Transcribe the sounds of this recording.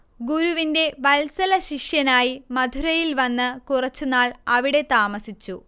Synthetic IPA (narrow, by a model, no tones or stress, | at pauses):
ɡuɾuʋinde̞ʋɐlsɐlɐɕiʂjɐnaːjimɐd̪ʱuɾɐjilʋɐnːɨkurɐt͡ɕːunaːɭɐʋiɽe̞t̪aːmɐsit͡ɕːu